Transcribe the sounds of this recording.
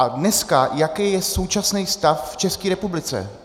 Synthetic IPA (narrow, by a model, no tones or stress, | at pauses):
adnɛskajakɛjɛso̞wt͡ʃasnɛjst̪afft͡ʃɛskiːɾɛpublɪt͡sɛ̰